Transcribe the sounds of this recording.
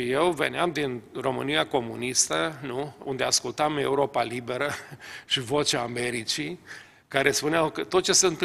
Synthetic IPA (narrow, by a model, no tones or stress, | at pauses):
ijewvḛneamd̪inro̞mɨnijako̞mṵnist̪ənuṵnd̪easkult̪ame̞uɾo̞palibe̞ɾəʃivo̞t͡ʃaːme̞ɾit͡ʃi | kaɾe̞spuneawkət̪o̞t̪̚t͡ʃe̞səɨnt̪